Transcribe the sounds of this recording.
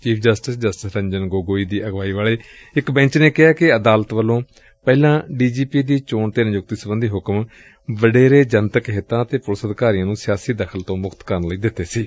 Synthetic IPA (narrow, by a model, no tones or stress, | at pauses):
t͡ʃiːpʰd͡ʒəsʈɪsd͡ʒəsʈɪsɾə̃ɲd͡ʒənɡoːɡoːiːd̪iːʔəɡʋaːiːʋaːɭeːɪkbɛ̃ːɲt͡ʃneːkɪaːkɪəd̪aːlət̪ʋəlõː | pɛːlãːɖiːd͡ʒiːpiːd̪iːt͡ʃoːɳt̪eːnjʊk̚t̪iːsəbənd̪iːɦʊkm | ʋəɖeːɾeːd͡ʒənt̪əkɦet̪ãːət̪eːpʊlsəd̪kaːɾiːãːnũːsɪjaːsiːd̪əkʰəlt̪õːmʊkʰt̪kəɾnləiːd̪ɪt̪ːeːsiː